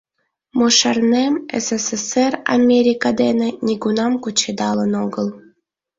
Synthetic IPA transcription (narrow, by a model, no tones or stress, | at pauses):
mɤʃɑrnemḛsesesera̰mʲeɾʲikɑd̪enĕnʲiɡunɑmkut͡ɕed̪ɑlənoɡəlˠ